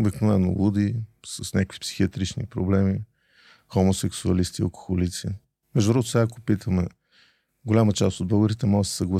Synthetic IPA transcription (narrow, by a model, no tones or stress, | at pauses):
biknonano̰lˠud̪isəsnʲakə̥kvi̥psi̥xiət̪ɾit͡ʃnḭpɾo̰blɛmi | xomosɛksuɐlist̪iɐ̰lˠko̥xolit̪sḭ | mɛʒd̪ʊɾɔd̪sɛako̥pit̪ʰəmɛ | ɡolʲamət͡ʃast̪od̪̚bəɡəɾit̪ɛmɔɡəsɛ̥səɡlˠɐ